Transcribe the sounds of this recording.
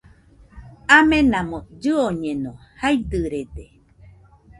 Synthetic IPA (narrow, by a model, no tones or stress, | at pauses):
amẽnãmõd͡ʒɨoɲẽnõhaijd̪ɨɾed̪e